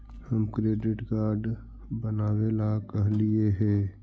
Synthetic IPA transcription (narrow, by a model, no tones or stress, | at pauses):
hɐmkɾeːɖɪʈkaːɾɖ | bɐnaːwelakɐɦlieɦɛ̃ː